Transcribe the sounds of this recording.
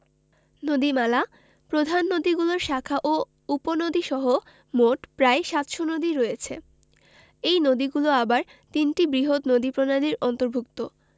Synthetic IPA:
nod̪imala | pɾod̪ʱanːod̪iɡuloɾʃakʰaʔo | uponod̪iʃɔɦo | moʈpɾaeʃat̪ʃonod̪iɾɔjet͡ɕʰḛ | ejnod̪iɡuloabaɾt̪inʈibɾiɦot̪nod̪ipɾonad̪iɾɔnt̪oɾbʱuk̚t̪o

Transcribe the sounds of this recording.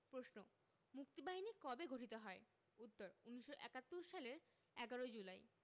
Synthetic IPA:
pɾosno | muk̚t̪ibaɦinikɔbeɡʱoʈit̪oɦɔe | ut̪ːoɾunːiʃːoʔɛkat̪ːoɾʃaleɾ | ɛɡaɾod͡ʑulaj

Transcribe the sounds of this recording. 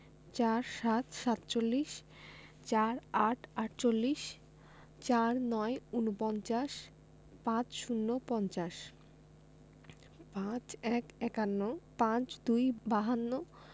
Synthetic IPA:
t͡ɕaɾʃat̪ʃat̪t͡ɕolːiʃ | t͡ɕaɾaʈʰaʈt͡ɕolːiʃ | t͡ɕaɾnɔeunopɔnt͡ɕaʃ | pãt͡ɕʃunːopɔnt͡ɕaʃ | pãt͡ɕɛkɛkanːopãt͡ɕd̪ujbaɦanːo

